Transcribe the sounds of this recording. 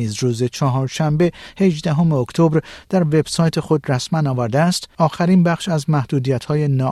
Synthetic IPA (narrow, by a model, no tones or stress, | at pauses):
iːzɾuːze̞t͡ʃʰɒɦɒːɾʃæmbe̞he̞ʒd̪æɦomeokt̪ʰobɾd̪̥æɾve̞b̥sɒːjt̪ʰe̞xo̞d̪ræsmænɒːvæɾd̪eæst̪ɒːxæɾinbæχʃæzmæhd̪uːd̪ijæt̪hɒːje̞nɒː